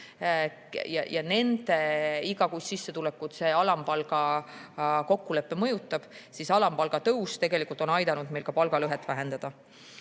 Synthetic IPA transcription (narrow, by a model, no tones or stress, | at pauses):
jɑ̰jɑne̞nd̪̥e̞iɡɑkussisːe̞t̪ulekːˑut̪se̞ːɑlɑmpɑlɡ̥ɑ | ko̞kːule̞pːemɤ̞jut̪ːˑɑb̥sisɑlɑmpɑlɡ̥ɑt̪ɤust̪e̞ɡe̞likˑult̪o̞nɑjd̪ɑnud̪̚me̞jlkɑpɑlɡɑlɤɦet̪ːˑvæɦend̪̥ɑd̪̥ɑ